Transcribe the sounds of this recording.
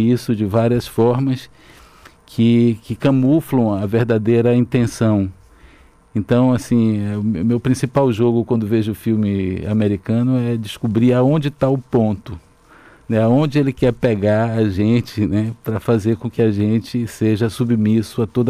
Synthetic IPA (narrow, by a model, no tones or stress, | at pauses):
isʊd͡ʒɪvaɾiɐsfɔɾmɐs | kʰɪkɪkɐ̃muflɐ̃w̃ɐveɾd̪ad̪ejɾɐĩt̪ẽsɐ̃w̃ | ẽnt̪ɐ̃w̃asĩɛʊmewpɾĩsipawʒoɡʊkwɐ̃nd̪ʊveʒʊʊfiwmɪa̰meɾikɐ̃nʊɛd͡ʒɪskubɾiaõd͡ʒɪt̪aʊpõnt̪ʊ | nɛaõd͡ʒɪelɪkɛpeɡaɾaʒẽt͡ʃɪnɛpɾɐfazeɾkõkɪaʒẽt͡ʃɪseʒɐsubmisʊat̪od̪ɐ